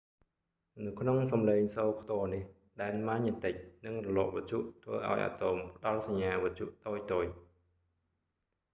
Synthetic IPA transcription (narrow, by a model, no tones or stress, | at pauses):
nɨwkʰnoŋsɑmleːŋsoːkʰt̪oənih | ɗaɛlmaɲːət̪ɨc̚nɨŋrɔlɔːʔʋət̪̚t͡ɕʰuʔt̪ʰʋə̰ːʔa̰ɔjʔa̰ːt̪oːmpʰə̆ɗɑlsaɲːaːʋɔt̪̚ʰt͡ɕʰṵʔt̪oːc̚t̪oːc̚